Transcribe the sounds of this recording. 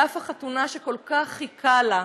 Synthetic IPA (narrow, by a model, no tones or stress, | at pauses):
afaχatunaʃeko̞lkaχhikʰala